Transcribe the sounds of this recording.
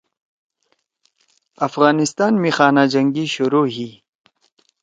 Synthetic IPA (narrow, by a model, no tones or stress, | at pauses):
ɐfɣaːnɪst̪aːnmixaːnad͡ʑɐŋɡiɕuɾoːɦiː